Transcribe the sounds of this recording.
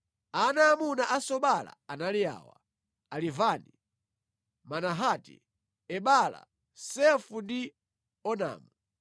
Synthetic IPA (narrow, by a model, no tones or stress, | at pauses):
anaːmunaʔasɔɓala̰analia̰ːwa̰ | alivani | manaɦaːtḭ | ɛɓala̰ | sɛfundi | ɔna̰ːmu